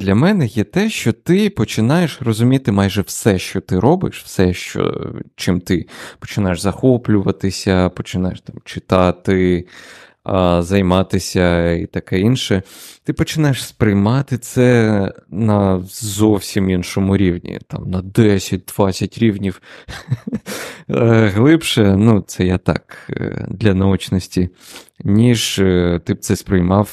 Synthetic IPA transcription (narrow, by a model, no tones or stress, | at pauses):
d̪lʲɐmɛnɛjɛt̪ɛʃt͡ʃɔt̪ɪpɔt͡ʃɪnɑjeʃrɔzʊmʲit̪ɪmɑjʒɛwsɛʃt͡ʃɔt̪ɪɾɔbɪ̰ʃwsɛʃt͡ʃɔ̰t͡ʃɪmt̪ɪpɔ̥t͡ʃɪnɑjeʐzɐxɔplʲʊʋɐt̪ɪsʲɐpɔt͡ʃɪnɑjḛʃt̪ɑmt͡ʃɪt̪ɑt̪ɪ | zɐjmɑt̪ɪsʲɐḭt̪ɐkɛinʃɛt̪ɪpɔt͡ʃɪnɑjeʂspɾɪjmɑt̪ɪt̪sɛ | nɐzɔwsʲiminʃɔmʊɾʲiwnʲḭt̪ɑ̰mnɐd̪ɛsʲɐt̚ʲd̪̥ʋɑsʲɐtʲɾʲiwnʲiw | ɣlˠɪpʃɛnut̪sɛjat̪ɑ̰kd̪lʲɐnɐut͡ʃnɔsʲtʲi | nʲiʒt̪ɪp̪̚sɛspɾɪjmɑw